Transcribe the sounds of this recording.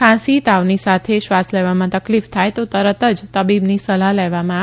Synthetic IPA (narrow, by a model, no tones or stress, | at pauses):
kʰãsit̪aʋnisat̪ʰeʃʋasleʋamãt̪əklift̪ʰajt̪ot̪əɾət̪əd͡ʒt̪əbibnisəlalɛʋamã